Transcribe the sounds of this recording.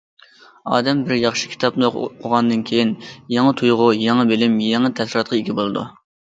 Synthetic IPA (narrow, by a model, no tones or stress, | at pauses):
ɑ̰ːd̪ɛmbɪɾjɑχʃɨ̥kʲʰi̥t̪ʰɑpnɨqʰʊʁɑnd̪ɨnkʲʰejinjɑŋət̪ʰujʁʊjɛŋɨbɪlɪmjɛŋɨt̪ʰɛsɾɑt̪̚qʰɑiɡʲibolˠɨd̪ṵ